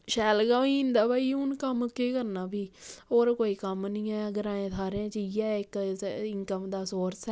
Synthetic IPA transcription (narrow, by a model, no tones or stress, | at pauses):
ʃɛːlɡaːiːnd̪aːbaːiːʊnkəmkeːkəɾnaːbiːoːɾkoːiːkəmnĩːɛːɡəɾãːẽːsʰaːɾeãːt͡ʃiːɛːɪkɪŋkəmd̪aːsoːɾsɛː